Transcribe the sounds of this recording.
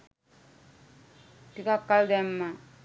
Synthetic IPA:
tikakːald̪ɛmːa

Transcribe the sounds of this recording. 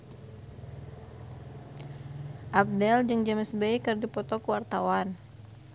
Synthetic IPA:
ʔab̚dɛld͡ʒəŋd͡ʒaməsbajkərdipɔt̪ɔkəwart̪awan

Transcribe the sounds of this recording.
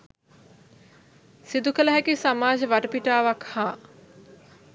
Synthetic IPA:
sid̪ukələɦækisamaːd͡ʒəʋaʈəpiʈaːʋakhaː

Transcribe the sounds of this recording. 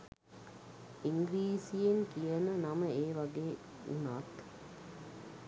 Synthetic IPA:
iŋɡɾiːsijeŋkijənənɐməeːʋɐɡeː | ṵnaːt̪

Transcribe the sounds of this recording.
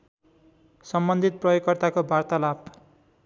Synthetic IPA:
sʌmbʌnd̪ʱit̪̚prʌjokːʌrt̪akobʱart̪alab

